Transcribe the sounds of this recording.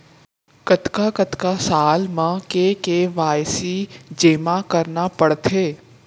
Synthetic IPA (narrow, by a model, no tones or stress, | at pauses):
kət̪kakət̪kasaːlmãkekeʋaːjsid͡ʒeːmakɐɾnapəɽt̪ʰeː